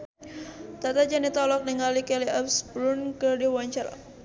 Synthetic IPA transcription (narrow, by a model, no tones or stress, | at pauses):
t̪at̪ad͡ʒanit̪ɔlɔk̚niŋalikɛliʔɔfsbɾunkərdiwaɲt͡ʃaɾa̰